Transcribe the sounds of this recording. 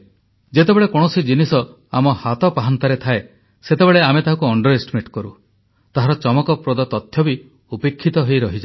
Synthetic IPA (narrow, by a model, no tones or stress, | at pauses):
d͡ʒet̪ebeɭekɔɽ̃ɔsid͡ʒinisɔ | amɔhat̪ɔpaɦant̪aɾet̪ʰae | set̪ebeɭeamet̪aɦakuɔɳɖɔɾesʈimeʈkɔɾṵ | t̪aɦaɾɔt͡ʃɔmɔkɔpɾod̪ɔt̪ɔt̪ʰːjɔbi | upekʰːit̪ɔɦejɾɔɦid͡ʒa